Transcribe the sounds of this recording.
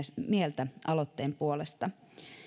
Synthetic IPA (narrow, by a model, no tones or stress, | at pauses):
mielt̪æʔɑlot̪ːeːmpuolest̪ɑ